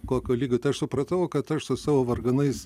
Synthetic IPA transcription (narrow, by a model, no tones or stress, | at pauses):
koːkʲoːlʲiːɡʲoːt̪ʲɐɪɐʃsʊpɾɐt̪ɐʋʊkɐt̪ɐʃsʊsɑːʋoːʋɐrɡɐnɐɪs